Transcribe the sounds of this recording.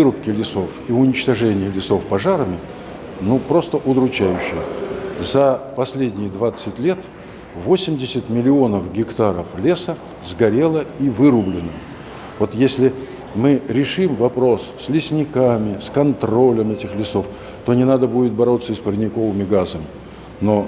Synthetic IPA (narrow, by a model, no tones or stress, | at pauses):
ɨɾʊpkʲɪlʲɪso̞fiʊnʲɪt͡ɕt̪ɐʐɛnʲɪjəlʲɪso̞fpɐʐaɾəmʲɪ | nupɾo̞st̪əʔʊd̪ɾʊt͡ɕæjʉɕːɪjəzɐpɐsʲlʲedʲnʲɪjəd̪vat̪sɨtʲlʲe̞t̪ | vo̞sʲɪmʲdʲɪsʲɪt̪ʲmʲɪlʲɪo̞nəfɡʲɪkt̪aɾəflʲe̞sə | zɡɐɾʲe̞lˠəivɨɾʊblʲɪnə | vo̞t̪jesʲlʲɪ | mɨɾʲɪʂɨmvɐpɾo̞sːlʲɪsʲnʲɪkamʲɪskɐnt̪ɾo̞lʲəmɛtʲɪxlʲɪso̞f | t̪onʲɪnad̪əbudʲɪt̪̚bɐɾo̞t̪səspəɾʲɪnʲɪko̞vɨmʲɪɡazəmʲɪ | no̞